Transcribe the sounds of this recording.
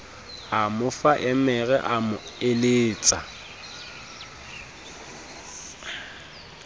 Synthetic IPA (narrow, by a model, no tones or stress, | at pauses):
amʊfaʔɛmɛɣɛʔamʊɪleːt͡sʼa